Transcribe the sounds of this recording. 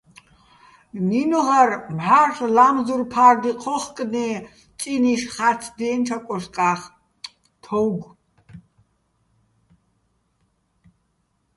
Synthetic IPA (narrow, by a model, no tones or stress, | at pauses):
ninɔʁarmħaɬlamzurpʰard̪iqʰɔχkʼni | t͡sʼiniʃχatʰd̪ɛːnʈ͡ʂʰakʷʼɔʃkʼaχ | t̪ʰɔwɡʷ